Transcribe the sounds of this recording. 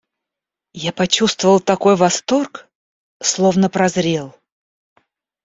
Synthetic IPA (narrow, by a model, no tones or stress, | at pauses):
japɐt͡ɕust̪vəvəlˠt̪ɐko̞jvɐst̪o̞rk | slˠovnəpɾɐzɾʲelˠ